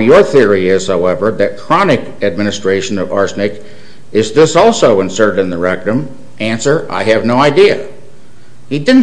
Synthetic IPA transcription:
jə˞θɪɹiɪz̥haʊɛvə˞ðɨt̚kʰɹ̥ɑnɨk | ɨd̚mɪ̃nɨstɹ̥eɪʃɨ̃nʌvɑ̰ɹsnɨk | ɨzðɪsɔlˠsoʊɨ̃nsɜ˞ɾɨ̃nðəɹɛk̚tɨ̃m | ʔæ̃nsə˞ʔa̰ɪɨvnoʊaɪdiɨ̰ | hidɪdⁿn̩

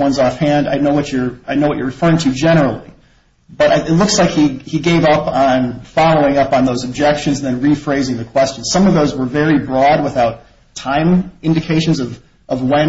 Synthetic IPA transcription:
wʌ̃nzɔfhæ̃nda̰ɪnoʊwʌt͡ʃə˞aɪnoʊwʌt͡ʃə˞ɹɨfɜ˞ɪ̃ŋtʰɨd͡ʒɛɾ̃ə˞l̩ˠḭ | b̥ʌɾaɪɨtˡlʊkslaɪkhiiɡeɪvʌpn̩fɑlˠoʊɪ̃ŋʌpn̩ðoʊzəb̚d͡ʒɛkʃɨ̃nzn̩ðɨ̃nɹifɹeɪzɪ̃ŋðɨkʰw̥ɛst͡ʃnz̥sʌ̃mʌvðoʊzwə˞vɛɹibɹɔd̚wəθaʊtʰ | ãɪ̃mɪ̃ndɨkʰeɪʃɨ̃n̩zʌv | ʔʌvwɛ̃

